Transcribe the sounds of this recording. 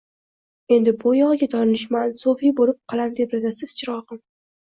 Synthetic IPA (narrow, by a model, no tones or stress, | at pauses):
e̞nd̪ɪbʊjɒʁɡʲat̪ʰɒɾnɪʃ̬mansofibolɪp̚qʰɑlˠand̪epɾad̪asɪz̥t͡ʃʰɪɾɒʁɨm